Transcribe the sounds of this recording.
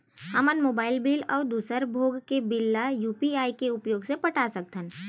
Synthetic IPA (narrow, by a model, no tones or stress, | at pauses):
ɦɐmənmoːbaːɪlbiːlɔːd̪uːsəɾbʱoːɡkebɪlːajuːpiaːikeʊpjoːɡsepɐʈʰasək̚t̪ən